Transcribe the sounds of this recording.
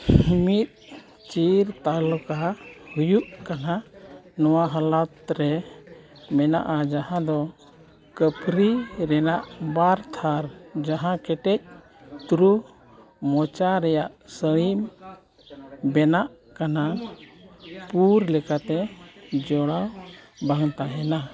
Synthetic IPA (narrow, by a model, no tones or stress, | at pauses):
mit̪̚ | t͡ʃiɾt̪alɔkahujuʔkananɔwaɦəlat̪ɾɛ | mɛna̰ʔad͡ʒahãd̪ɔ | kəpʰɾiɾɛnaʔbaɾt̪ʰaɾd͡ʒaɦãkɛʈɛc̚ | t̪uɾu | mɔt͡ʃaɾɛjaʔsəim | bɛnaʔ | kana | puɾlɛkat̪ɛd͡ʒɔɽawbaŋt̪aɦɛna